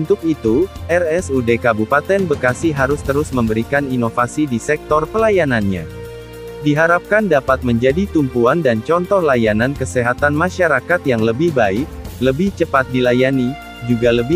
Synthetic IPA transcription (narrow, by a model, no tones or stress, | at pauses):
unt̪ʊkit̪uʔɛrɛsudekabupat̪ɛnbəkasɪɦaɾʊst̪əɾʊsməmbəɾikaninofasidisɛk̚t̪ɔrpəlajananɲa̰ | diɦaɾap̚kandapat̪̚məɲd͡ʒadit̪umpuandant͡ʃɔnt̪ɔhlajanankəseɦat̪anmaʃaɾakat̪jaŋləbɪhbaɪk̚ləbɪht͡ʃəpat̪̚dilajani | d͡ʒuɡaləbɪ